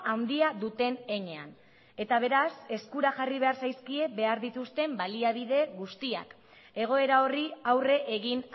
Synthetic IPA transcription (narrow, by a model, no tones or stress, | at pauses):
awnd̪iaðut̪e̞ne̞ɲe̞an | e̞t̪aβ̞e̞ɾase̞skuɾaʝariβ̞e̞aɾsajskie̞be̞aɾðit̪ust̪e̞mbaliaβ̞iðe̞ɣust̪ia̰k | e̞ɣ̞o̞e̞ɾao̞riawre̞ʔeɣin